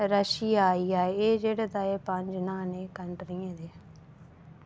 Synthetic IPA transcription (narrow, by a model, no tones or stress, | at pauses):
ɾəʃijaaːiːaːeeːd͡ʒeːɽaːd̪aːeːpəɲd͡ʒnãːneːkəɳʈɾiːẽd̪eː